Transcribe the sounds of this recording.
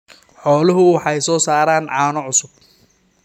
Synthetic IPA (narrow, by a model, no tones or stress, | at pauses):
ħɔːlʊɦʊwɑħɑjsɔːsaːɾaːnʕɑːnɔʕʊsʊb̥̚